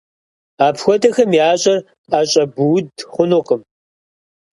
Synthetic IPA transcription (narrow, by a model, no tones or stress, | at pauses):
aːpʰxʷɔdɐxɐmjaːɕʼɐr | qʼaːɕʼɐbuwʊdχʷʊnʊqəm